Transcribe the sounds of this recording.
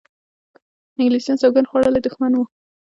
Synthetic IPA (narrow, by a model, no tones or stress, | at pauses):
ɪŋɡlisijɑnsawɡanxwaɽəlajd̪ʊxmanwu